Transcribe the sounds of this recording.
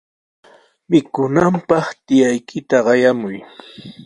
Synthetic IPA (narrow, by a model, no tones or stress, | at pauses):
mɪkʊnampɑχt̪ɪjajkʰɪt̪aɢɑjamʊj